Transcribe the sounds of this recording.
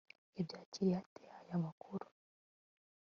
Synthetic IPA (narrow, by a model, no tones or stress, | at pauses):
ebjat͡ʃiɾiatɛhajamakʰuɾu̥